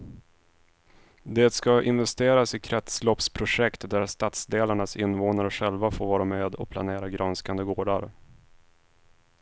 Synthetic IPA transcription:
d̪eːt̪skaʔɪnvɛst̪eːɾasɪkʰɾɛt̪slɔpspʰɾʊʂɛkt̪d̪æɾst̪at̪sd̪eːlaɳasɪnːvoːnaɾəɧɛlvafoːɾvɑːɾameːd̪ɔ̰pʰla̰neːɾaɡɾanskand̪əɡoːɖaɾ

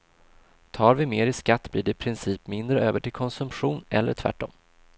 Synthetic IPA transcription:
t̪ʰɑːɾvɪmeːɾɪskat̪ːbliːɖɛɪpʰɾɪnsiːpmɪnd̪ɾəøːvəʈɪlkʰɔnsɵmpɧuːnɛ̰lːə̰ʈʰv̥æ̰ʈːɔ̰m

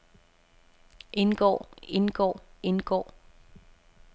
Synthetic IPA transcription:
ʔe̝nɡ̥ɔ̰ːe̝nɡ̥ɔ̰ːe̝nɡ̥ɔ̰ː

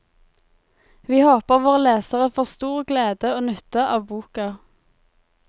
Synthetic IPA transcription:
ʋiːhoːpəʁʋoːʁəleːsəʁəfoːʁst̪uːʁɡleːd̪əoːnœt̪əʔɑːʋbuːkɑ

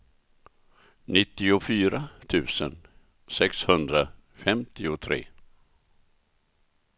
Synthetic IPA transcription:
nɪt̪ːɪʊfyːɾat̪ʰʉ̟ːsə̰n | sɛkshɵnd̪ɾafɛmt̪ɪʊt̪ʰɾḛː

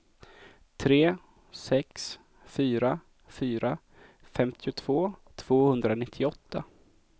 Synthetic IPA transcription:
t̪ʰɾeː | sɛks | fyːɾa | fyːɾa | fɛmt̪ʰɪʊt̪ʰv̥oːt̪ʰv̥oːhɵnd̪ɾanɪt̪ʰːɪɔt̪ʰːa

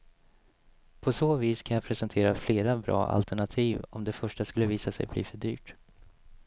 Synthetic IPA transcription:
pʰɔsoːviːskʰanjapʰɾɛsɛnt̪ʰeːɾafleːɾabɾɑ̰ːʔa̰lt̪ʰɛɳat̪ʰiːvɔ̰md̪ɛfœʂʈaskɵlːəviːsasɛ̰jblḭːfœɖy̰ːʈ

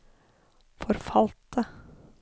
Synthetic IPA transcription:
fɔɾfɑlt̪ə

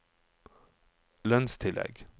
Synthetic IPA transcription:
lœnst̪ʰɪlʔɛ̰ɡ

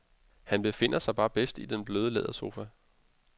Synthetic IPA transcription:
hænb̥e̝fe̝n̰ɐsɑ̈ɪb̥ɑ̈ːb̥esd̥id̥enb̥løːð̞ˠəlɛ̰ːð̞̰ˠɐso̝ːfæ

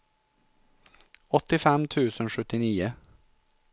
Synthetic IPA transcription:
ɔt̪ɪfɛmt̪ʰʉːsənʃʉt̪ɪniːə

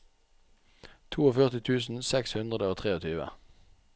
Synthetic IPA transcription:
t̪ʰuːoːfœʁt̪ɪt̪ʰʉːsn̩sɛkshʉnd̪ʁəd̪əoːt̪ʰʁeːɔt̪ʰyːʋə̰

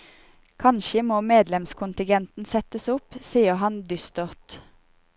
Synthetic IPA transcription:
kʰɑnʃəmoːmeːd̪lɛmskʰʊnt̪ɪɡɛnt̪n̩sɛt̪əsʊpsiːəhɑnd̪ʏst̪ɔʁt̪

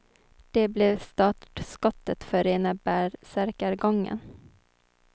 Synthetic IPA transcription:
d̪̥ɛblɛvst̪ɑːʈʈskɔt̪ːət̪fœɾeːnəbæːɾsæɾkəɾɡɔŋːə̰n

